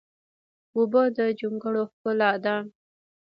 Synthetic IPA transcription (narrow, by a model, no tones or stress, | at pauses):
ubəd̪əd͡ʒuŋɡəɽoxkʊlɑd̪ɑn